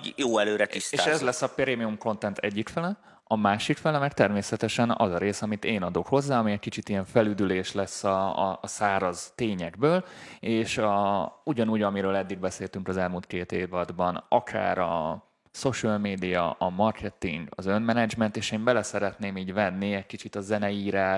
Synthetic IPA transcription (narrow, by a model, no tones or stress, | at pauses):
joːɛløːɾɛt̪ist̪eːaʃɛzlɛsːɒpeɾeːmiumko̞nt̪ɛnt̪ɛ̰ɟːikfɛlɛ | ɒmaːʃikfɛlɛmɛɾt̪ɛrmeːsɛt̪ɛʃɛnɒ̰zɒɾeːsɒmit̪eːnɒd̪o̞kho̞zːaːɒmiɛc̚kit͡ʃit̪ijɛɱfɛlyd̪yleːʃlɛsːɒsaːɾɒzt̪eːɲɛɡbøːleːʃɒuɟɒnuːɟɒmiɾøːlɛd̪ːiɡ̚bɛseːlt̪yŋkɒzɛlmuːlt̪̚keːt̪eːvɒd̪bɒnɒkʰa̰ːɾɒ̰ | so̞ʃɒlmeːd̪ijɒ̰ʔɒmɒrkʰɛt̪ḭŋɡɒ̰zø̞nmɛnɛd͡ʒmɛnt̪eːʃeːmbɛlɛsɛɾɛt̪neːmiːɟvɛnːiɛc̚kit͡ʃit̪ɒzɛnɛiːɾaː